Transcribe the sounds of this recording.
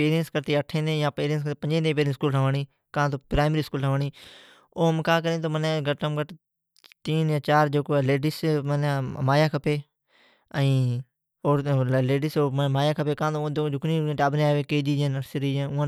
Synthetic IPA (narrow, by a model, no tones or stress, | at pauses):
peːɾijənskəɾt̪iːəʈʰẽːd̪ẽːjãːpeːɾijəns̬k̪ːpəɲd͡ʒẽːd̪ẽːp̬eːɾə̃nskuːlɦʰəʋəɳiː | kãːt̪oːpɾaːɪmɾiːskuːləʋəɳiː | oːɦmkãːk̬əɾẽːt̪oːmənẽɡəʈəmɡəʈ | t̪iːnjãːt͡ʃaːɾd͡ʒeːkoːleːɖismənːmaːjaːkʰəpeː | ə̃ĩː | oːleːɖisoːmmaːjaːkʰəpeːkãːt̪õd͡ʒod͡ʒʊknĩːʈaːbʱneaːʋeːkeːd͡ʒiːd͡ʒənəɾsɾiːd͡ʒẽʊãː